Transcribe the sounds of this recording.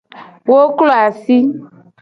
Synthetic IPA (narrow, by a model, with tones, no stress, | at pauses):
wo˦klo˦a˨si˦